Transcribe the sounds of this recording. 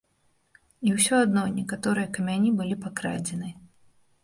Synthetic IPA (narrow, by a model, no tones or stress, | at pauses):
iwsʲɔad̪nɔnʲɛkat̪ɔɾɨjɐkɐmʲanʲibɨlʲipakɾa̰d͡zʲɛnɨ